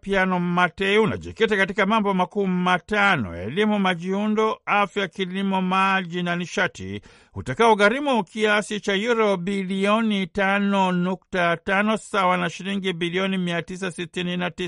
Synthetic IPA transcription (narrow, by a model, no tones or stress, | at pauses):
pjanɔmatɛiuna̰ʄɛ̰kɛtakatikamambɔmakuːmatanɔ̰ɛ̰limumaʄiundɔafjakilimɔmaʄinaniʃatḭ | ṵtakaɔɣaɾimukiasit͡ʃajuɾɔbiliɔnitanɔnuk̚tatanɔsawanaʃiɾiŋɡibiliɔnimiatis̬asitininatis